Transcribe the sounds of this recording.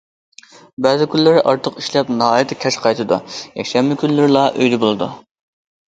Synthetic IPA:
bɛːzɪkʲʰylːɪɾɪʔɑɾt̪ʰəqiʃlɛpnɨhɑːjɪt̪ʰːɪkʲʰɛʃqʰɑjt̪ʰɨd̪ṵjɛkʲʃɛmːɪkʲynlɪɾɪlˠɑʔøjd̪ɛbolˠɨd̪ṵ

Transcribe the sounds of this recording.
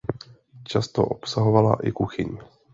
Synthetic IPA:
t͡ʃast̪o̰ʔopsaɦovala̰ʔɪkuxɪɲ

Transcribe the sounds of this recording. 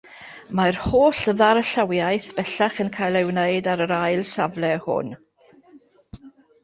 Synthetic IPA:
marhoːɬəðaɾəɬawjajθb̥ɛɬaχənkʰajlˠɛwneɨdaɾəɾajlˠsavlɛhʊ̰n

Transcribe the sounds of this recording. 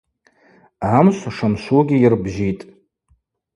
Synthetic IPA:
amʃʷaʂamʃʷuɡʲiirbʒitʼ

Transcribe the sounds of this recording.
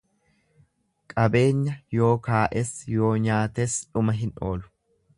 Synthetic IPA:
kʼɐbe̞ːɲːɐjo̞ːkaːʔɛsjo̞ːɲaːt̪esᶑʊmɐɦɪnʔo̞̰ːlʊ̥

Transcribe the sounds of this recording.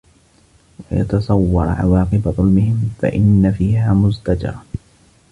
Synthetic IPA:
wajɑ̰t̪ɑsˤɑwːɑɾˤʕɑ̰wɑːqɨbaðˤʊlmɪhɪmfa̰ʔɪnːafiːhaːmʊzt̪ad͡ʒɑ̰ɾˤ

